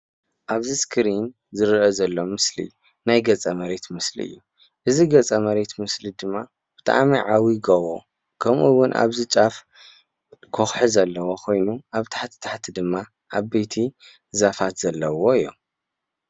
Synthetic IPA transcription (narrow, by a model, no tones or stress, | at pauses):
ʔaβziskʰɨɾin | zɨɾʔɐzɐlːomɨslḭ | najɡɐt͡sʼɐmɐɾe̞t̪mɨslḭɨ̰jːu | ʔɨziɡɐt͡sʼɐmɐɾe̞t̪mɨslid̪ɨmːa | b̥ɨt̪ʰʼa̰miʕawiɡɐwo | kʰɐmʔuwʊnʔa̰βzit͡ʃʼaf | kʰoxħɨzɐlːɐwokʰo̞jnuʔaβt̪ʰḁħt̪ʰi̥t̪ʰḁħt̪ʰid̪ɨmːa | ʔaβɐjt̪ʰi | zafat̪z̥ɐlːɐwoɨjːo̰m